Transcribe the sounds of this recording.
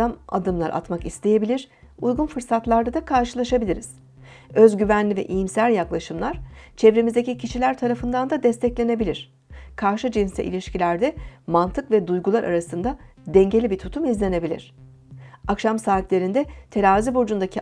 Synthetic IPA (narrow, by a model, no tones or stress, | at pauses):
ama̰d̪ɯmlˠa̰ɾa̰t̪makist̪ʰe̞je̞bilʲiɾ̥ | ujɡunfɯɾsat̪lˠaɾd̪ad̪akʰaɾʃɯlˠaʃabilʲiɾiz̥ | øzɟyvænlʲivɛ̰ʔijimsælʲjaklˠaʃɯmlˠaɾ̥t͡ʃʰɛvɾemizd̪ecicʰiʃilʲæɾt̪ʰaɾafɯnd̪and̪ad̪ɛst̪ʰɛclʲe̞ne̞bilʲiɾ̥ | kʰaɾʃɯd͡ʒinsɛ̰ʔḭlʲiʃcilʲæɾd̪ɛmant̪ʰɯkvɛd̪ujɡulˠaɾʔa̰ɾasɯnd̪a | d̪ɛɲɟe̞lʲibit̪ʰut̪ʰumizlʲe̞ne̞bilʲḭɾ̝̥ | akʃamsaːit̪lʲe̞ɾind̪ɛt̪ʰe̞ɾaːzibod͡ʒund̪acʰi